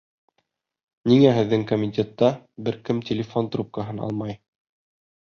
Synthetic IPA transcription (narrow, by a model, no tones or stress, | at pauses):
niŋæɦɘ̆ðːɘŋkomʲɪt̪ʲet̪ːɑbɘɾkɘmt̪ʲɪlʲɪfo̞nt̪rup̚kɑɦɤnɑ̰lˠmɑj